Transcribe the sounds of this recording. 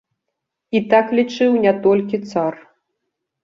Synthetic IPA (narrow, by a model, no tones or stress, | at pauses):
it̪aklʲit͡ʂɨwnʲɛt̪ɔlʲkʲit̪sar